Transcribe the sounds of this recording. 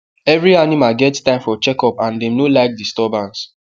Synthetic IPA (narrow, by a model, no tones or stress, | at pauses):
ɛvɹianimalɡɛtstãɪ̃mfɔt͡ʃɛkɔpãndɛ̃mnolaɪk̚distɔbãns